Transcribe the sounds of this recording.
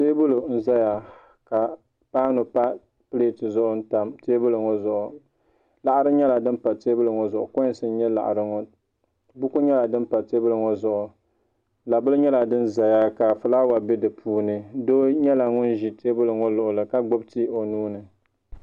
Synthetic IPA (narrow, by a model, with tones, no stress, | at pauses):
teː˦bʊ˦lo˨n̩˦za˦ja˨ | ka˨ | paː˦nʊ˨pa˦ | pɨ˦le˦˨tɨ˨zʊ˦ʔʊ˦n̩˦ta˦mteː˦bʊ˦lɨ˨ŋo˦zʊ˨ʔʊ˨ | la˨ʔa˦ɾɨ˦ɲɛ˦la˨dɨ˦npa˨teː˦bʊ˦lɨ˨ŋo˨zʊ˨ʔʊ̰˨ko˦sɨ˨n˦ɲɛ˦la̰˨ʔɾɨ˦ŋo˨ | bʊ˦ku˦ɲɛ˦la˨dɨ˦npa˨te˦bʊ˦lɨ˨ŋo˦zʊ˨ʔʊ˨ | la˨bʊ˦lɨ˦ɲɛ˦la˨dɨ˦nza˨ja˦ka˨fɨ˨la˦wa˨bɪ˦dɨ˨pʰuː˦nɨ˦do˦ɲɛ˦la˨ŋʊ˦nʒi˨te˦bʊ˦lɨ˨ŋo˦lʊ˨ʔʊ˨lɨ˨ka˨ɡ͡bo˦bti˦o˨nuː˦nɨ˨